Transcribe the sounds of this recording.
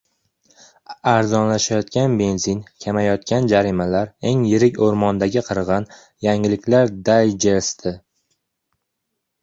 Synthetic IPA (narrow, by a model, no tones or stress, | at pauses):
aɾzɒnlaʃajɒt̪kʲanbe̞nzinkʲʰamajɒt̪̚kʲand͡ʒaɾimalaɾe̞ŋjɪɾɪkʲoɾmɒnd̪aɡʲɪqʰɨɾʁɑn | jaŋɪlɪkʲlaɾd̪ajd͡ʒeɾst̪ʰɪ